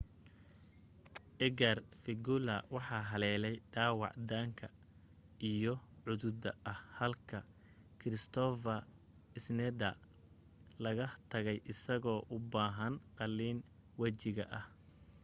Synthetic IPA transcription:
ʔɛɡɐrfɪɡʊlɐwɑħɑːɦɐlɛːlɛjɖaːwɑ̰ʕd̪aːŋkʰɐ | ijɞʕʊðʊd̪ɐɐhhɐlkʰɐ | kʰɾɪst̪ʰɔfɐ | ɪsnɛd̪ɐ | lɐɣɐt̪ʰɐɣɛjʔɪsɐɣɔːʔʊbaːɦɐnqɑlːiːn | wɐt͡ʃɪɣɐ̰ʔɐh

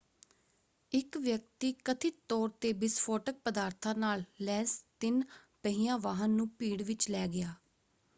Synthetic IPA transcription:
ɪkʋjək̚t̪iːkət̪ʰiːt̪ɔːɾt̪eːbɪspʰoːʈək̚pəd̪aːɾt̪ʰãːnaːllɛːst̪ɪnpəɦiːjãːʋaːɦənːũːpiːɽʋɪt͡ʃlɛːɡɪjaː

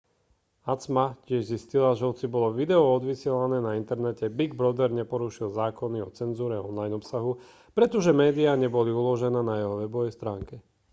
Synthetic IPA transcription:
at͡smacɪɛʒziscilaʒɛɦɔt͡sibɔlɔʋid̪ɛɔɔd̪ʋisɪɛlanɛːnaint̪ɛɾnɛcɛbiɡbɾɔd̪ɛɾɲɛpɔɾuʃilzaːkɔniɔt͡sɛnzuːɾɛɔ̰nlajnɔpsaɦu | pɾɛt̪ɔʒɛmɛːd̪iaɲɛbɔliulɔʒɛnɛːnajɛɦɔʋɛbɔʋɛjst̪ɾaːŋkɛ

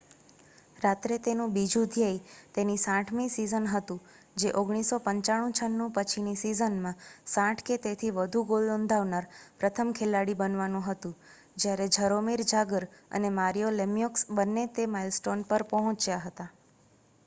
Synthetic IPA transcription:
ɾat̪ɾet̪enũbid͡ʒũd̪ʱjajt̪enisãʈʰmĩsizənɦət̪ũ | d͡ʒeʔoɡɽ̃isopəɲt͡ʃaɽ̃ũt͡ʃʰənːũpət͡ʃʰinisizənmãsãʈʰket̪et̪ʰiʋəd̪ʱũɡolnond̪ʱaʋnaɾpɾət̪ʰəmkʰelaɽibənʋanũɦət̪ũ | d͡ʒjaɾed͡ʒʱəɾomiɾd͡ʒaɡəɾə̰nemaɾijolemijoksbənːet̪emailsʈonpəɾpəɦɔ̃t͡ʃjaɦət̪a

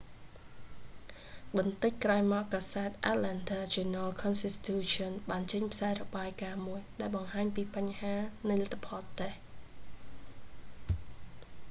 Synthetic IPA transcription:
ɓɑnt̪ɨc̚kraɔjmaɔkkaːsaɛt̪̚ʔat̪̚lɛnt̪ʰaːd͡ʒunəlkʰɔnsist̪ʰuːt͡ɕɔnɓaːnt͡ɕəɲpʰsaɛrɔɓaːjkaːmuəjɗaɛlɓɑŋhaːɲpiːpaɲhaːnɨjlət̪ʰːapʰɑːlt̪eh

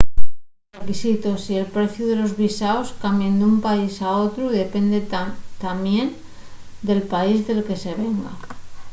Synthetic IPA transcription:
rekisit̪o̞sie̞lpɾe̞θjuðe̞lo̞zβisaoskambjend̪umpaisao̞t̪ɾuðe̞pe̞nd̪et̪amje̞n | d̪e̞lpaizðe̞lke̞se̞β̞e̞ŋɡa̰

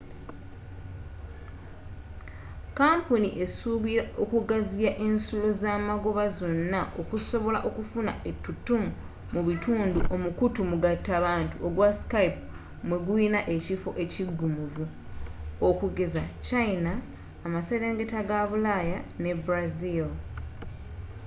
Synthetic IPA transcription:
kaːmpuniʔe̞suβiɾaʔokuɡazijaʔe̞nsulo̞zaːmaɡo̞βazo̞nːaʔo̞kuso̞βo̞la̰ʔo̞kufuna̰ʔe̞tːutːumu | muβitʰuːnduʔo̞mukutumuɡatːaβaːntuʔoɡwaskaip | mwe̞ɡwuinaʔe̞cifo̞̰ʔe̞ciɡːumuvu | okuɡe̞zacainaː | mase̞ɾe̞ːŋɡe̞taɡaβulajane̞bɾazil

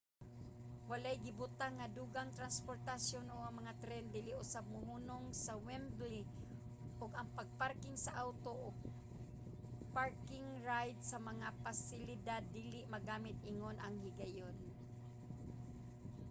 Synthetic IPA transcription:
walajɡɪbʊt̪aŋːad̪uːɡaŋt̪ɾanspoɾt̪asjonoɡaŋmɐŋat̪ɾɛnd̪iːlɪʔʊsab̚mʊhuːnoŋsawɛmbli | ʔʊɡɐŋpaɡ̚paɾkɪŋsaʔawt̪oʔoɡ | paɹkɪŋɹajd̪sɐmɐŋapasɪlɪd̪ad̪ːiːlɪʔmɐɡaːmɪt̪̚ʔɪŋonʔaŋhɪɡajon

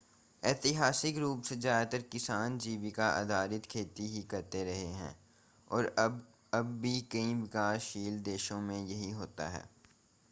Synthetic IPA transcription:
ɛːt̪ɪɦaːsɪkɾuːpsezaːd̪t̪əɾkɪsaːnd͡ʒiːʋikaʔɐ̰d̪aːɾɪt̪kʰeːt̪iɦikɐɾt̪eɾɐɦeɦɛ̰̃ː | ɔːɾb | ɐbːikɐĩʋɪkaːʃiːld̪eːʃõmẽjɐɦiɦoːt̪a̰ɦɛ̰ː

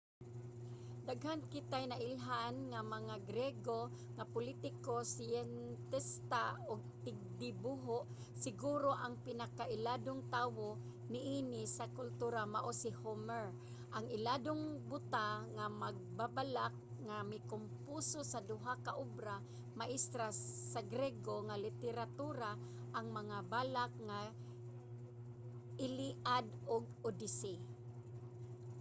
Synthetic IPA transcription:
d̪aɡɦankɪt̪ajnaʔɪlɦanŋamaŋaɡɾɛɡo | ŋapʊlit̪ɪkosɪjɛnt̪ɛst̪aoɡ̚t̪ɪɡ̚d̪ɪbuɦoʔ | sɪɡuːɾoʔaŋpɪnakaʔɪlaːd̪ʊŋt̪aːwo | nɪʔiːnɪsakʊlt̪uːɾamaʔosɪhomɛɹ | ʔaŋɪlad̪oŋbʊt̪aŋamaɡ̚babalak̚ | ŋamɪkʊmpusosad̪ʊɦakaʔʊbɾa | maʔɪst̪ɾasaɡɾɛɡoŋalɪt̪ɛɾat̪uɾa | ʔaŋmaŋabaːlak̚ŋa | ʔɪliʔad̪ʊɡ̚ | ʊd̪ɪsi

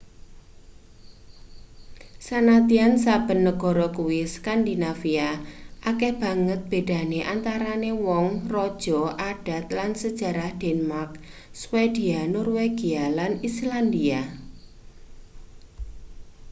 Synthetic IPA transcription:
sanat̪iansab̥ə̤nːəɡ̥ɔ̤ɾɔkuwiskand̪inafiaʔakeb̥ä̤ŋət̪̚b̥e̤d̥a̤neʔant̪aɾanewɔŋrɔd̥ʒ̥ɔ̤ʔad̥a̤t̪̚lansəd̥ʒ̥a̤ɾahd̥ɛnəmark̚swed̥ianɔrweɡ̥ialanisland̪ia

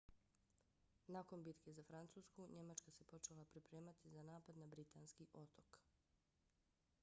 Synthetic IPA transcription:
naːko̞nbit̪ke̞zafɾant̪suːskuɲe̞mat͡ʃkase̞po̞t͡ʃelapɾipɾe̞ːmat̪izanaːpad̪nabɾit̪anskiʔo̞t̪ok

